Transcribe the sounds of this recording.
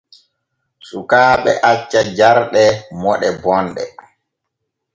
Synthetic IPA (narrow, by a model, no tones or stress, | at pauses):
sukaːɓɛ̰ʔat͡ʃːad͡ʒaɾɗɛmɔɗɛbɔnɗɛ